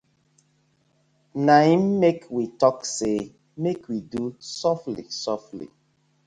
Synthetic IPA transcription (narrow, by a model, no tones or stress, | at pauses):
naĩmːekwitɔkse | mekwidusɔflḭsɔflḭ